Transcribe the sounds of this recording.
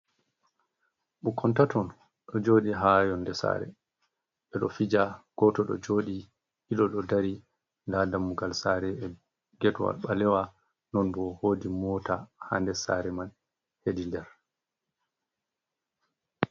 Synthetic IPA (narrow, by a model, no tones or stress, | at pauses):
ɓukʰɔntatɔn | ɗɔd͡ʒoːɗiɦajɔnːdɛsa̰ːɾɛ̰ | ɓɛɗɔfid͡ʒaɡ̥ɔtɔɗɔ̰d͡ʒoːɗi | iɗɔɗɔdaɾi | ndadamːuɡalsaɾɛ | ɡɛtwa̰lɓalɛwa | nɔnbɔhoːdimɔːtaha̰ndɛsa̰ɾɛmal | hedindɛɾ